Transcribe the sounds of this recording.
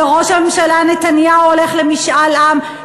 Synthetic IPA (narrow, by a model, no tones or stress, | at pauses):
eʁo̞ʃhame̞mʃalanet̪anjauole̞χlemiʃʔalʔam